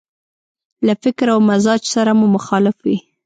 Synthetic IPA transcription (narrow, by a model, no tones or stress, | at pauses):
lafɪkɾawmazɑd͡ʒsaɾamumʊxɑlɪfwi